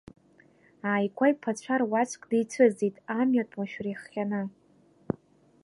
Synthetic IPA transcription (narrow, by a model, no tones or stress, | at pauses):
aːjkʷʰajpʰat͡ɕʷʰarwat͡ʃʷʰʼkʼdejt͡sʷʰɨzitʼamɥatʼmaʃᶣriχːʲanɨ